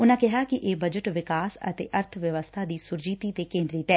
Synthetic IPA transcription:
ʊnãːkɪɦaːkɪʔeːbəd͡ʒəʈʋɪkaːsə̰t̪ḛːʔəɾt̪ʰʋjəʋəst̪ʰaːd̪iːsʊɾd͡ʒiːt̪iːt̪eːkẽːnd̪ɾiːt̪ɛː

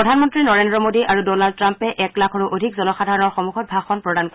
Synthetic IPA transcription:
ɹɔdʱanmɔntɹinɔɹendɹɔmodiʔaɹudɔnald̚tɹampɛʔɛklakʰɔɹuʔodʱikzɔnɔxadʱaɹɔnɔɹxomuxʰɔt̚bʱaxɔnpɹɔdank

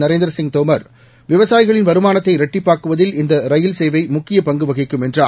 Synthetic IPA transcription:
nɐɾeːnd̪ɾɐsɪŋɡ̚t̪oːmɐɾ | ʋɪʋɐsaːjɪɣɐɭɪnʋɐɾɯmaːnɐt̪ːɐɪɾɐʈːɪpːaːɾkɯʋɐðɪlɪnd̪ɐɾɐjɪlsɛjʋɐɪmʊkːɪjɐpɐŋɡɯʋɐɣɪkːɯmɛndra̰ː

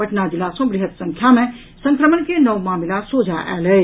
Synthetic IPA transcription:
əʈnad͡ʒilasɔ̃ɡɾiɦət̪sə̃ŋkʰjamẽ | sə̃ŋkɾəmənkenəʋmaːmilasod͡ʒaʔɛ̰lə

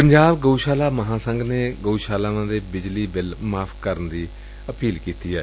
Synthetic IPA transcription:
pəɲd͡ʒaːbɡəuʃaːlaːməɦãːsəŋɡneːɡəuʃaːlaːnãːd̪eːbɪd͡ʒliːbɪlmaːpʰkəɾənd̪iː | əpiːlkiːt̪iːɛː

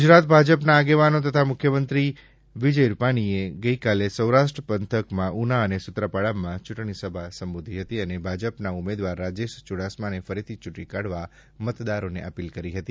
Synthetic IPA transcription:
ɡud͡ʒɾat̪bʱad͡ʒəpnaːɡeʋanot̪ət̪ʰamʊkʰjəmənt̪ɾi | ʋid͡ʒəjɾupaɽ̃ieɡəikalesəwɾaʃʈɾəpənt̪ʰəkmãʔunaənesʊt̪ɾəpaɭamãt͡ʃʊʈɳ̃isəbʱasəmbod̪ʱiɦət̪iənebʱad͡ʒəpnaumed̪ʋaɾːad͡ʒeʃt͡ʃuɽasmanefəɾit̪ʰit͡ʃʊʈːikaɽʋa | mət̪d̪aɾonḛʔəpilkəɾiɦət̪i

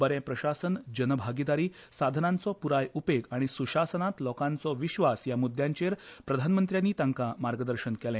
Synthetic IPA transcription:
bəɾɛ̃pɾəɕasənd͡ʑənəbʱaɡid̪aɾiː | sad̪ʱənant͡sɔpuɾajupeɡaɽ̃isuɕasənat̪lɔkãnt͡sɔʋiɕʋasjamud̪ʱjãɲt͡ɕeɾpɾəd̪ʱanmənt̪ɾjanːiːt̪ãŋkamaɾɡəd̪əɾɕənkɛlɛ̃

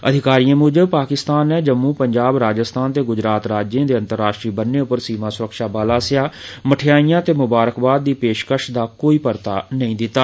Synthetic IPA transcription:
əd̪ʱɪkaːɾiːãːmʊd͡ʒəpaːkɪst̪aːnːɛːd͡ʒəmːũːpəɲd͡ʒaːbɾaːd͡ʒəst̪ʰaːnt̪eːɡʊd͡ʒɾaːt̪ɾaːd͡ʒẽːd̪eːə̃nt̪əɾːaːʃʈɾiːbənːeːʊpəɾsiːmãːsʊɾəkʃaːbaːlaːsɪjaːməʈʰɪjaːiːjãːt̪eːmʊbaːɾəkbaːd̪̚ːiːpeːʃkəɾʃd̪aːkoːiːpəɾt̪aːnəĩːd̪ɪt̪ːaː

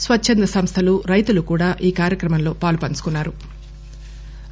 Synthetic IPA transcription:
sʋɐt͡ʃːt͡ʃʰːɐnd̪ɐsɐmst̪ʰɐluɾɐjt̪ulukuːɽaːʔiːkaːɾjɐkɾɐmɐnlo̞ːpaːlupɐnt͡ʃu̥kunːaːɾu

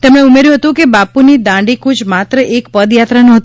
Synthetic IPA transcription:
t̪ɛmɽeumeɾjũɦət̪ũkebapunid̪ãɳɖikud͡ʒmat̪ɾəʔekpəd̪jat̪ɾanuɦət̪

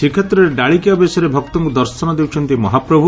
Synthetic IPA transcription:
sikʰɔt̪ɾɔɾeɖaɭikiabesɔɾebʱɔkt̪ɔŋkud̪ɔɾsɔnɔd̪ewt͡ʃʰɔnt̪imɔɦapɾɔbʱu

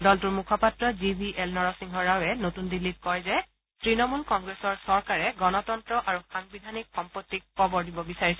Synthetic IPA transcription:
dɔltuɹmukʰɔpatɹɔzibʱiʔelnɔɹɔsiŋɦɔɹawɛnotundilːit̚kɔjzɛ | tɹinɔmulkɔŋɡɹesɔɹsɔɹkaɹɛɡɔnɔtɔntɹɔʔaɹuxaŋbidʱanikxɔmpotːikʰːɔbɔɹdibɔbisaɹisɛ

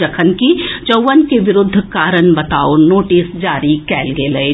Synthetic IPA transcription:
ɐkʰənkit͡ʃɐʋənkeʋɪɾʊd̪ʱːkaːɾənbɐt̪aːonoːʈɪsd͡ʒaːɾikɛːlɡeːlɐe

